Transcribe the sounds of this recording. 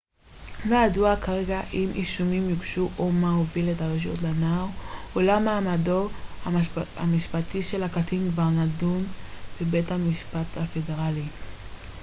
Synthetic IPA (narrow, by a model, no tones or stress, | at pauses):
lojaduakaʁe̞ɡaʔimʔiʃumimjuɡʃuʔomahoviletaloʃ̬iotlanaʁolamaːmadoaa̰miʃpatiʃe̞lhakatʰinkvaʁnadunb̥ebe̞thamiʃpathafe̞de̞ʁali